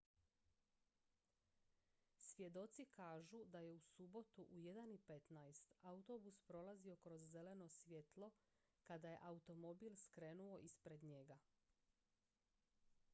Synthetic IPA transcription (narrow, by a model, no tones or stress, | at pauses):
sʋʲje̞d̪o̞t̪sikʰaːʒud̪aje̞usubo̞t̪uʔuje̞d̪anipe̞t̪najst̪aut̪o̞buspɾo̞lˠazio̞kɾo̞zːe̞le̞no̞sʋje̞t̪lˠo̞ | kad̪aje̞̰ʔaut̪o̞mo̞bilˠskɾe̞nuo̞ʔispɾe̞d̪ɲe̞ɡa